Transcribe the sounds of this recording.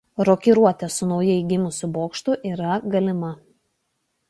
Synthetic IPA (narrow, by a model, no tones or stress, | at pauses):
ɾɔkʲiɾuɔt̪ʲɛsʊnɒʊjɛɪɡʲɪmʊsʲʊboːkʃt̪ʊʔiːɾɐɡɐlʲɪmɐ